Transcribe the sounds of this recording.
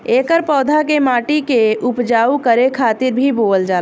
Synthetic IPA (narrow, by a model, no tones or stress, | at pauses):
eːkəɾpɔːd̪ʱakemaːʈikeʊpd͡ʒaːukəɾekʰaːt̪ɪɾbʱiboːld͡ʒaː